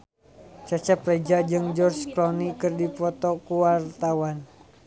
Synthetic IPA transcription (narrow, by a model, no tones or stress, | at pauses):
t͡ʃat͡ʃɛplɛd͡ʒad͡ʒɨŋd͡ʒɔrt͡ʃklɔnikɨrdipɔt̪ɔkuwart̪awan